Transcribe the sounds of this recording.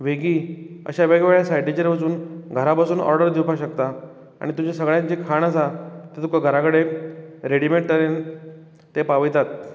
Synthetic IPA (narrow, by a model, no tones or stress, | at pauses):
ʋeɡiːə̰ɕaʋeɡʋeɭjasajʈit͡ɕeɾʋət͡suːnɡʱəɾapasuːnɔ̰ɾɖəɾd̪iwpaɕəkt̪a | a̰ɽ̃it̪ud͡ʑesəɡɭjãd͡ʑekʰaɳəsat̪et̪ukaɡʱəɾakəɽeɾeɽimẽʈʈəɾen | t̪epaʋəjt̪at̪̚